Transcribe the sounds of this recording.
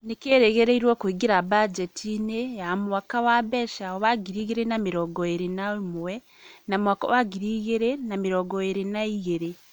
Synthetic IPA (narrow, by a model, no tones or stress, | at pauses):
nikeːɾeɣeɾeiɾwokuiɡiɾabad͡ʒetʰineamuwakawaβeʃaoβaɡiɾiɣiɾenamiɾoɡoeɾenawemuwe | namuwako̰waɡiɾiɣeɾenamiɾoɡojeɾenaiɣeɾe